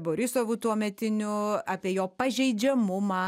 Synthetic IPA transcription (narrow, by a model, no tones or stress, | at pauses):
boːɾʲɪsoːʋut̪uɔmʲɛt̪ʲɪnʲʊɑːpʲiɛjoːpɐʒʲɛɪd͡ʒʲɛmʊmɑː